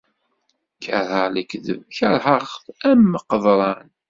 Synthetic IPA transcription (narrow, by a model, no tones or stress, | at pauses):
kːəɾˤələkðə̰vçəɾˤhəχθæmːəqəðˤɾˤɑn